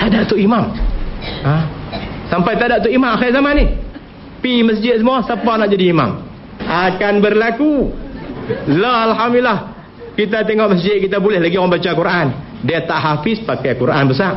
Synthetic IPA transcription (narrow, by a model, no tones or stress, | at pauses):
t̪adaʔt̪uimam | əsampajt̪adaʔt̪uimamaxazamani | piməsd͡ʒɪt̪̚səmuasəpanaʔd͡ʒadiːma̰m | akanbərlaku | laɦalɦamlah | kit̪̬at̪eŋɔʔməs̬d͡ʒɪt̪̚kit̪abulɛhlaɡijaŋməmbat͡ʃakuɾʔan | diat̪aʔɦafɪspakajkuɾʔanbəs̬ar